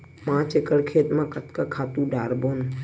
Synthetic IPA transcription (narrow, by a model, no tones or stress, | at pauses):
mãːt͡ʃekəɽkʰeːt̪mãkət̪kakʰaːt̪ũɖaːɾboːn